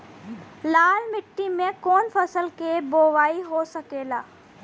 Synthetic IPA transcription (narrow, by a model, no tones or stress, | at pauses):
laːlmɪʈːimẽkoːnfɐsəlkeboːʋaːiɦosɐkeːlaː